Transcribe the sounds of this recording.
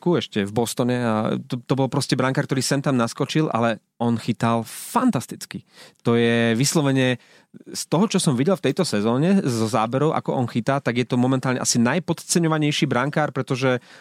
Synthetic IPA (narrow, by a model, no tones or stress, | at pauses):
kuɛʃcɛvbɔst̪ɔɲɛat̪t̪ɔbɔlpɾɔscɛbɾaŋkaɾkt̪ɔɾiːsɛnt̪amnaskɔt͡ʃilʔa̰lɛ | ɔnxit̪alfant̪ast̪it͡skit̪ɔjɛʋislɔʋɛɲɪɛ | st̪ɔɦɔt͡ʃɔsɔmʋiɟɛlft̪ɛjt̪ɔsɛzɔːɲɛzɔza̰ːbɛɾɔʊʔa̰kɔʔɔnxit̪aːt̪aɡjɛt̪ɔmɔmɛnt̪aːlɲɛ̰ʔa̰sinajpɔt̪t͡sɛɲɔʋaɲɛjʃibɾaŋkaːɾpɾɛt̪ɔʒɛ